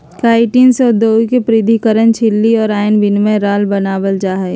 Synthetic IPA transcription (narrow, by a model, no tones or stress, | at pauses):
kaːɪʈiːnseʊd̪ʱoːikepɾɪd̪ʱikəɾənt͡ʃʰɪlːiɔːɾaːjnbɪnmẽɾaːlbənaːʋəld͡ʒaːɦɛː